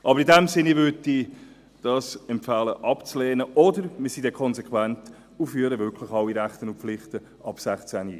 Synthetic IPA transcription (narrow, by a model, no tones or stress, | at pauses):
ʔɑbəɾidɛmsɪnːivøti | d̥ɑːsɛmpfɑːləʔɑpt͡slɛːnəʔɔdəɾmisid̥ɛkʰɔnsɛkʰwænt | ufyːəɾəvʏkʰlɪχɑwiɾæχtənʊnpflɪχtə | ʔɑb̥sæχt͡sæni